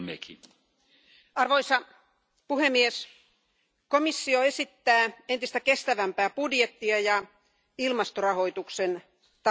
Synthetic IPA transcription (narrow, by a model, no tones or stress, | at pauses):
mḛkʰi | ɑrʋoisɑ | puhemːies | komisːioesit̪ːæːent̪ist̪ækest̪æʋæmpæːpudjet̪ːiɑjɑ | ilmɑst̪orɑhoit̪uksen | t̪ɑ